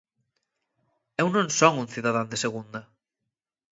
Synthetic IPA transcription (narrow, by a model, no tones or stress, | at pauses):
ewnõŋsɔŋunθiðaðand̪eseɣund̪ɐ